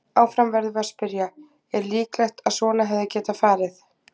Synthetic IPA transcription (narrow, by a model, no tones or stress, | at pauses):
awfɾamvɛɾðvaspɪɾja | ɛɾliːklajht̪aðsɔːlaɦɛvðacɛːt̪afaːɾɪθ